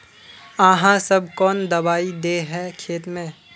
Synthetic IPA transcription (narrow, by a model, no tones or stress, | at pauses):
aːɦãsɐbʱkɔːnd̪ɐbaːid̪eɦɛkʰeːt̪mẽː